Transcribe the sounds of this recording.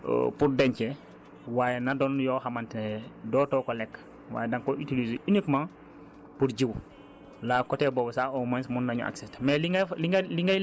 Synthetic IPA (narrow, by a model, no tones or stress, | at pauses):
puɾdeɲce | waːjenadonjohamantnedɔːtoːkolɛkː | wa̰ːjedaŋkoʔitilizinikmãːŋ | puɾɟiw | laːkoteboːbosaːomansmunːaɲṵʔa̰ksetmeliŋliliŋɡa